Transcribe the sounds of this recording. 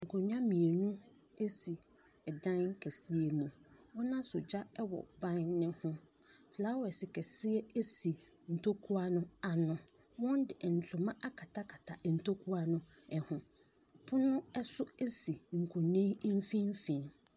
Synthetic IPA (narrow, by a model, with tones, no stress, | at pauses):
ŋ̩˨kʰʊ̃˨ɲ˦ã˦mĩ˨e˨nũ˦ | e˦si˨ | ɛ˨dã˦n˦kʰɛ˨si˦e˨mũ˨wɔ̃˦nã˦sʊ˨d͡ʑa˦ɛ˦wɔ̰˨bã˦nːɪ̃˦hʊ̃˦ | fla˦wɔ˨ɛ˨sɪ˨kʰɛ˨sɪ˦ɛ˦e˦si˨ | n̩˨tʰo˦kʰu˦a˦nʊ̃˦a˨nʊ̃˨ | wɔ̃˦n˦dɪ˨ʔn̩˨tʰᶣʊ˨mã˦ʔa˦kʰa˨tʰa˦kʰa˨tʰa˨n̩˨tʰo˦kʰu˦a˦nʊ̃˦ | ɛ˨hʊ̃˨ | pʰʊ˦nʊ̃˦ɛ˦sʊ˦e˦si˨ŋ̩˨kʰʊ̃˨nẽ˦m˦fĩ˦m˦fĩ˨n